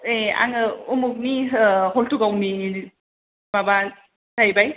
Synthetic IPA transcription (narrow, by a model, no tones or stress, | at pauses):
ea̰ŋɯumuk̚niɦoltuɡawmi | baba | dajbaj